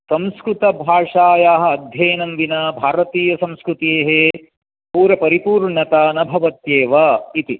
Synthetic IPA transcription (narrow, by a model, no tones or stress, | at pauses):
sɐ̃mskɾut̪ɐbʱaːʂaːjaːɦɐ̆ːd̪ʱjɐːnɐmʋinɐbʱaːɾɐt̪iːjɐsɐ̃mskɾut̪eːɦe | puːɾɐpɐɾipuːɾɳɐt̪anɐbʱɐʋɐt̪jeːʋɐit̪i